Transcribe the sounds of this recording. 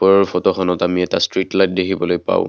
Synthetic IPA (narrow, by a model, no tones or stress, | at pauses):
ɔɹɔɹpʰɔtɔxʰɔnɔtamiɛtastɹitlajt̚dekʰibɔlojpa̰ʊ̰̃